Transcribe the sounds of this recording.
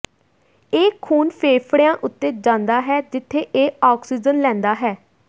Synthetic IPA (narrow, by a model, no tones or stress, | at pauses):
eːkʰːuːnpʰeːpʰɽjãːʔʊt̪ːeːd͡ʒãːnd̪aːɦɛːd͡ʒɪt̪ʰːeːʔeːaːksiːd͡ʒənlɛ̃ːnd̪aːɦɛː